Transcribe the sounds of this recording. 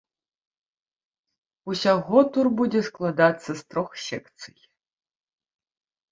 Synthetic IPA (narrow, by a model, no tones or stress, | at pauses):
usʲaɣʷɔt̪ʰurbudʲeʂklˠad̪at͡sːɐst̪roxsɛktt͡sʰɨj